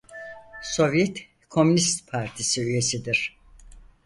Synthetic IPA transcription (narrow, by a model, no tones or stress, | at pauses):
so̞vjɛt̪ | kʰo̞mynist̪pʰaɾt̪ʰisiyje̞sid̪iɾ̥